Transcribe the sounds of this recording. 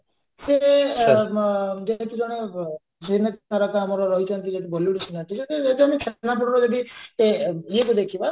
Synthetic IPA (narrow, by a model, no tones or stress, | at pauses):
se | d͡ʒet̪ud͡ʒɔɽ̃e | senett̪ʰaɾakaamɔɾɔɾɔɦit͡ʃʰɔnt̪id͡ʒet̪ibɔliuɽit͡ʃʰinant̪it͡ʃʰɔt̪eeɡd̪ɔmekʰenapuɽɔɾɔd͡ʒed̪ieiekud̪ekʰiba